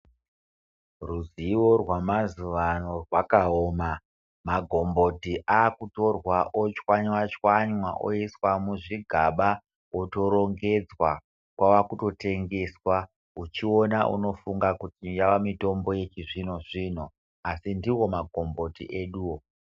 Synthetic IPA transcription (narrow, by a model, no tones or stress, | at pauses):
ruziworwamazuʋano̞rwakaoːma | maɡʱo̞mbo̞tiʔaːkuto̞rwaʔot͡ʃwaɲwat͡ʃwaɲwaʔo̰iswamuʐiɡʱaɓa | oto̞ɾo̞ŋɡe̞d͡zwa | kwawakuto̞te̞ŋɡe̞swa | ut͡ʃio̞naʔṵno̞fuŋɡakutijaʋamito̞mbo̞je̞t͡ʃiʐinoʐin̤o | asindiwo̞maɡʱo̞mbo̞tḭʔe̞ɗuːwo